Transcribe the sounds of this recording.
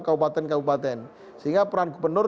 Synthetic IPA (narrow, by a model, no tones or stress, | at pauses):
kabupat̪ɛnkabupat̪ɛn | səɦiŋɡapəɾanɡubərnʊr